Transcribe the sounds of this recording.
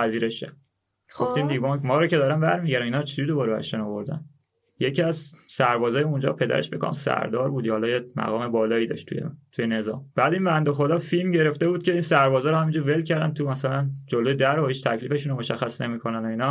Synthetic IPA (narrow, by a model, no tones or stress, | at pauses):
pæziːɾeʃe | ɡo̞ft̪iːnd̪ibɑmɒːɾɒːcʰed̪ɒːɾæmbæɾmiɟæɾæminɒːɾt͡ʃʰiuid̪obɒɾbæ̰ḛʃt̪ænovoɾd̪æ̰n | jecʰiæzsæɾbɒːzɒːjeund͡ʒɒ̰ːpʰe̞d̪æ̰ɾeʃbekʰo̰msæ̰ɾd̪ɒ̰ːɾbuːd̪jhɒlɒːjemæ̰ɣɒːme̞bɒːlɒːiːd̪ɒ̰ʃt̪ʰṵjḛt̪ʰujene̞zɒ̰ːmb̥æːd̪iːnbænd̪oxod̪ɒːfilmɟe̞ɾeft̪e̞buːd̪̚cʰe̞iːnsæɾbɒːzɒːɾohæmiːnd͡ʒuɾvelcʰæɾd̪ænt̪ʰumæsælænd͡ʒolojed̪æɾohiːt͡ʃt̪ʰæcʰliːfe̞ʃuːnomoʃæxːæsne̞mikʰo̞nænoinɒː